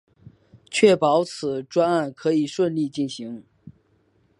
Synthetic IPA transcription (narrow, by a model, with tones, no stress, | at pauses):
t͡ɕʰɥɛ˥˩pɑ˧˥ʊt͡sʰɹ̩˨˩ʈ͡ʂwa˥na˥˩nkʰɤ˧˥i˨˩ʂwə˥˧nli˥˧t͡ɕi˥˩nɕi˧˥ŋ